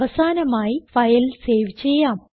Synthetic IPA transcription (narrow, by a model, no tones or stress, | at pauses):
ʋɐsaːnɐmaːjifɐjlse̞ːʋit͡ɕːejːaːm